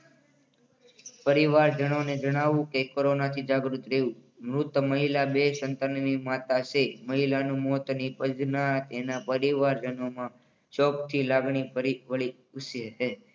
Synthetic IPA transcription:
pəɾiʋaɾd͡ʒəɽ̃oned͡ʒəɽ̃aʋũkekoɾonat̪ʰid͡ʒaɡɾut̪ɾeũ | mɾut̪məɦilabesənt̪ənʋimat̪aseməɦilanũmɔt̪nipəd͡ʒnat̪enapəɾiʋaɾd͡ʒənomã | t͡ʃɔpt̪ʰilaɡɳipəɾiʋəɭi | ʊsjəɦe

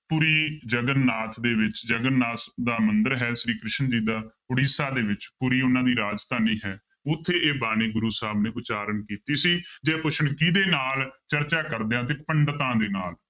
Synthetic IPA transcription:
puːɾiːd͡ʒəɡənːaːt̪ʰd̪eːʋɪt͡ʃd͡ʒəɡənːaːsd̪aːmənd̪əɾɦɛːʃɾiːkɾɪʃənd͡ʒiːd̪aːpʊɽiːsaːd̪eːʋɪt͡ʃpuːɾiːʊnãːd̪iːɾaːd͡ʒst̪aːniːɦɛː | ʊt̪ʰːeːeːbaːneːɡʊɾuːsaːbneːʊt͡ʃaːɾənkiːt̪iːsiːd͡ʒeːpʊʃəɳkiːd̪eːnaːlt͡ʃəɾt͡ʃaːkəɾd̪eãːt̪̬eːpəɳɖt̪ãːd̪eːnaːl

